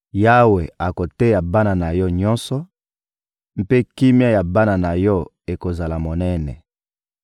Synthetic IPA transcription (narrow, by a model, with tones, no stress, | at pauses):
ja˦we˨a˨ko˨tɛ˦ja˨ba˦na˨na˨jɔ˦ɲɔ̃˦nsɔ˦ | m̩˦pe˦ki˦mja˦ja˨ba˦na˨na˨jɔ˦ | e˨ko˨za˨la˨mo˨nɛ˦nɛ̰˨